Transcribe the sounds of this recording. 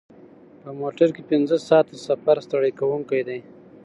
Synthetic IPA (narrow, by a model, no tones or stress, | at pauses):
pəmoʈaɾkepɪnzəsɑːt̪asafaɾst̪aɽikawuŋkajd̪aj